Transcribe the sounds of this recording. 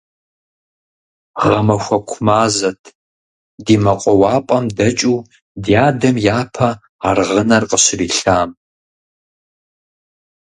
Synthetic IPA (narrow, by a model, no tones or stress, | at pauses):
ʁɐmɐxʷɐkʷʰʊmaːzɐtʰ | diːmɐqʷʼɔwɑːpʼɐmdɐt͡ʃʼuː | djaːdɐmjaːpʰɐ | arʁənɐrqʼəɕɪriːɬaːm